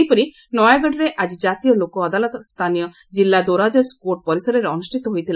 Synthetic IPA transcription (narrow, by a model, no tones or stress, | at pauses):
jpɔɾi | nɔjaɡɔɽɾeʔad͡ʒid͡ʒat̪ijɔlokɔːd̪alɔt̪st̪ʰanijɔ | d͡ʒilːad̪oɾad͡ʒɔskoʈ̚pɔɾisɔɾɔɾeɔnusʈʰit̪ɔɦojt̪ʰila